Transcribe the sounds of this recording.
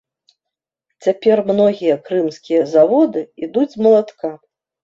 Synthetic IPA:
t͡sʲapʲɛrmnɔɣʲijɐkɾɨmskʲijɐzavɔd̪ɨid̪ud͡zʲmɐlˠat̪ka

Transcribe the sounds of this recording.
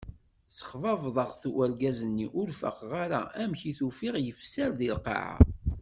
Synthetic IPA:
sə̥χvɑvðˤəʁθwælɡæzənːiʔʊɾfə̰qʁaɾa̰ʔæmçiθufiʁjəfsæɾðilqɑ̰ʕa̰

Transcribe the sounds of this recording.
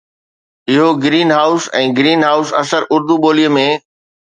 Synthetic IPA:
ɪɦoɡɪɾiːnɦaːʊsɛ̃ːɡɾiːnɦaːʊsɐ̰səɾʊɾd̪uɓoːlijəmẽː

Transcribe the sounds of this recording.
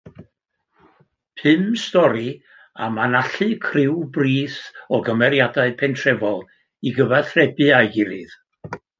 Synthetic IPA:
pʰɨmstɔɾi | a̰manaɬɨkʰrɪwbriːθɔɡəmɛɾjadaɨpʰɛntʰrɛvɔlˠ | iɡəvɛrθrɛbɨajɡɪɾɨð

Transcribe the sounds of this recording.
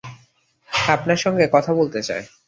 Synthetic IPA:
apnaɾʃɔŋɡekɔt̪ʰabolt̪et͡ɕa̰e

